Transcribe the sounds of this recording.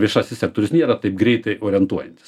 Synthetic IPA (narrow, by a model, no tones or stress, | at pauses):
ʋʲiɛʃɑːsʲɪsʲɛk̚t̪oːɾʲʊsnʲiɛɾɐt̪ɐɪpɡɾʲɛɪt̪ɐɪʔoːɾʲɪɛnt̪uɔjɛnʲt̪ʲɪ̥s